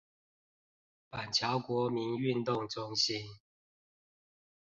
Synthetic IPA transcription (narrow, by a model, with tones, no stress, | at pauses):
pa˨˩nt͡ɕʰjɑ˨˦ʊkwɔ˧˦mi˨˦ny˥˨nt̪ʊ˥˨ŋʈ͡ʂʊ˦ŋɕi˦n